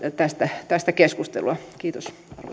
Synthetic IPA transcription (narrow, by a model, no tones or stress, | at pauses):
t̪æst̪æt̪æst̪ækeskust̪ḛluɑkiːt̪os | ɑrʋo̰